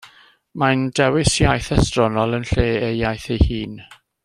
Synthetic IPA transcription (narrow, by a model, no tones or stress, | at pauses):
mandɛwɪsjajθɛstrɔnɔlˠənɬeːejajθejhiːn